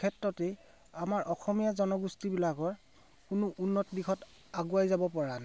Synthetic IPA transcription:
kʰɛtɹɔtɛ | amaɹʔɔxɔmijazɔnɔɡustibilakɔɹ | kʊnʊʔunːɔtdixʰɔt | aɡuajzabɔpɔɹana

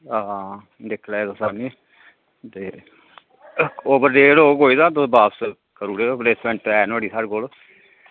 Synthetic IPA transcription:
aː | d̪ekʰleːt̪osaːniː | t̪eː | oːbəɾːeːɽoːkoːiːd̪ãːt̪ʊbaːpsə | kəɾuːɽeːopleːsmɛ̃ːɳʈɛːnaːɽiːsaːɽkoːlː

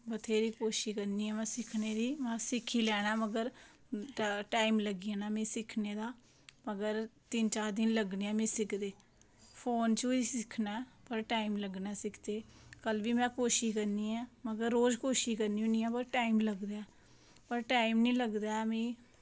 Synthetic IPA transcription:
bət̪ʰeːɾiːkoːʃiːkənd̪iːɛːmɛ̃ːsɪkʰneːɾiːmãːsɪkʰːiːlɛːñaːməɡəɾ | ʈaːimləɡiːanaːmĩːsɪkʰneːd̪aː | məɡəɾt̪ɪnt͡ʃaːɾd̪ɪnləɡneːɛ̃ːmĩːsɪkʰd̪eː | pʰoːnt͡ʃoiːsɪkʰnaɛpəɾʈaːimləɡnaːsɪkʰd̪eːkəlʋiːmɛ̃ːkoːʃiːkəɾnd̪iːɛːməɡəɾːoːd͡ʒkoːʃiːkəɾniːõːniːɛ̃ːpəɾʈaːimləɡd̪aɛː | pəɾʈaːimnĩːləɡd̪aːɛːmĩː

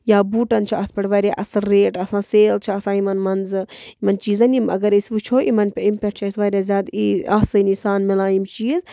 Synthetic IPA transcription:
jaːbuːʈɐnt͡ʃʰiɐspʲɐʈʋɐɾʲjaʔɐsɐɾeːʈɐsãːseːlt͡ʃʰiɐsãːimɐnmɐnzɨimɐnt͡ʃiːzɐnimɐ̰ɡɐɾisʋut͡ʃʰoːʔimɐnpʲeimpʲɐʈ̚t͡ʃʰɐisʋaɾʲjazʲjaːd̪iɐsɨnisaːnmilaːjimt͡ʃiːz

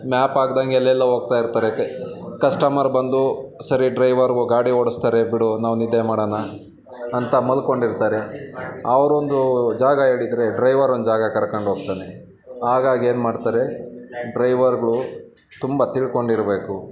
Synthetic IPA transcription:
maːpaːɡd̪aŋɡeɛlːɛlːɐɦo̞ːɡ̚t̪aːjiɾt̪aːɾe | kɐsʈɐmɐɾbɐnd̪usɐɾiɖɾɐjʋɐɾɡuɡaːɽioːɽust̪aːɾebiɽunaːʋunid̪ːemaːɽɐːnɐː | nt̪ɐmɐlko̞ɳɖiɾt̪aːɾeɐʋɐɾo̞nd̪ud͡ʒaːɡɐe̞ːɭid̪ɾe̞ɖɾɐjʋɐɾond̪d͡ʒaːɡɐkɐɾɐkɐɳɖɦoːɡ̚t̪aːne | ɦaːɡaːɡe̞ːnmaːɖt̪aːɾe̞ɖɾɐjʋɐɾɡɐɭu | t̪umbɐt̪iɭko̞ɳɖiɾbe̞ːku

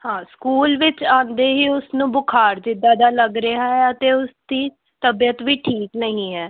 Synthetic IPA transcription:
hãːskuːlʋɪt͡ʃãːnd̪eːɦiːʊsnũːbʊkʰaːɾd͡ʒɪd̪aːd̪aːləɡɾeaɦɛːət̪eːʊsd̪iː | t̪əbijət̪ʋiːʈʰiːknəɦĩːɦɛː

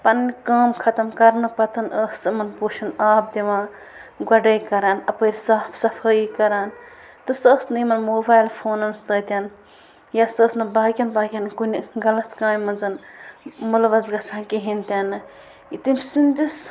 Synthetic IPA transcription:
pɐnnikaːmkʰɐt̪ɐmkɐɾnɨpɐt̪ʰɐnəːsɨmɐnpoːʃʰɐnaːp̚d̪iʋãː | ɡɐɖɐjkɐɾaːnɐpəːɾʲsaːpʰsɐfʰəikɐɾaːn | t̪ɨsəːsnɨimɐnmoːbaːjlpʰoːnɐnsəːt̪ʲɐn | jasəːsnɨbaːkʲɐnbaːkʲɐnkunʲiɡɐlɐt̪kãːmʲmɐnzɐn | mulʋɐzɡɐt͡sʰãːkiɦint̪ʲɐnɨ | it̪imʲsinʲd̪is

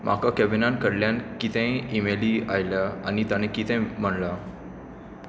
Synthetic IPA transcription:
mʔa̰kakɛbinankəɽljankit̪ə̃jimeliajljaañit̪añekit̪ə̃jm̤əɳla

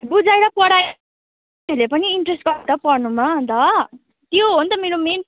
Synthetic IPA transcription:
bud͡zajɾʌpʌɽaj | elepʌniːɳʈresʈ̚ɡʌɾt̪ʌpʌrnumad̪ʌ | t̪joɦont̪ʌmeɾomen

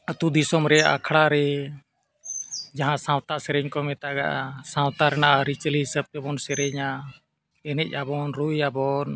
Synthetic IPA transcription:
ət̪ud̪isɔmɾɛa̰kʰɽaɾɛ | d͡ʒaɦãsãwt̪asɛɾɛɲkɔmɛt̪aɡaʔa̰sãwt̪aɾɛnaʔaɾit͡ʃliɦisəb̚t̪ɛbɔnsɛɾɛɲa | ɛnɛc̚ˀabɔnɾujabɔn

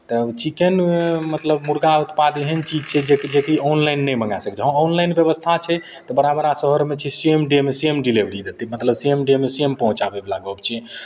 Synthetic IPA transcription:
t̪ət͡ʃikenmət̪ləbmuɾɡaut̪pad̪eɦənt͡ʃid͡ʒt͡ʃʰɛd͡ʒeked͡ʒekiɔnlajnːɛjməŋɡasəkt͡ʃɦə̃ɔnlajnbjəβəst̪ʰat͡ʃʰɛ | t̪ɔbəɾabəɾasəɦəɾmet͡ʃʰɛsiemɖemesiemɖilebɾid̪et̪imət̪ləbsiemɖemesiempəɦũt͡ʃabeblaɡəbt͡ʃʰɛ

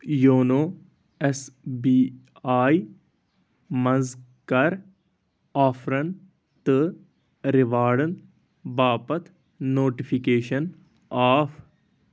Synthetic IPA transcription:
joːnoː | esbiaːi | mɐ̃nzkɐɾ | aːfʰɾɐn | t̪ɨ | ɾɪʋaːɽən | baːpɐt̪ʰ | noːʈifʰikeːʃən | aːfʰ

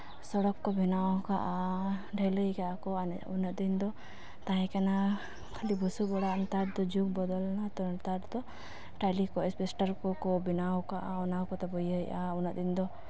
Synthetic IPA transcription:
sɔɽɔkːɔbinawɔ̃kaʔaɖʱɛləjkaakɔan̰ | unəd̪ind̪ɔ | t̪aɦɛ̃kana | kʰlibɔsubɔɽant̪aʈ̚d̪ɔd͡ʒuk̚bɔd̪ɔlnat̪ɔnt̪aʈd̪ɔ | ʈajlikɔɛspɛsʈaɾkɔkɔbinawɔkaʔaɔnawkɔt̪ɛbɔjəjaunəʔd̪ind̪ɔ

